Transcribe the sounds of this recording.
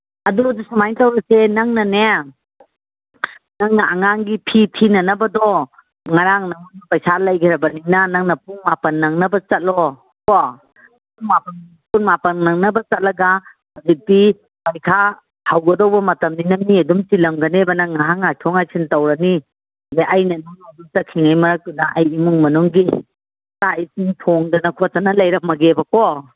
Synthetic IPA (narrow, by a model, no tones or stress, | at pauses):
ɐdudusamajntawɾɐsenɐŋnɐne | naŋnɐaŋaŋɡipʰipʰinɐnɐbɐdɔ | ŋaɾaŋnɐmunapɐjsalɐjɡʰeɾɐbɐninɐnaŋnɐpuŋmapɐnːɐŋnɐbɐt͡ʃɐt̚lɔ | kɔ | uŋmapɐn | punmapɐnnɐŋnɐbɐt͡ʃɐt̚lɐɡa | hazik̚di | pajkʰa | hawɡɐdɔwbɐmɐtɐmninɐmiɐdumt͡ʃilɐmɡɐnebɐnaŋaɦaŋajtʰɔŋajsʰintawɾɐni | zeʔajnɐnuŋaduŋ̚takʰiŋajmɐɾak̚tunaʔajimuŋmɐnuŋɡi | saisiŋtʰɔŋdɐnɐkʰɔtɐnɐlajɾɐk̚mɐɡebɐkɔ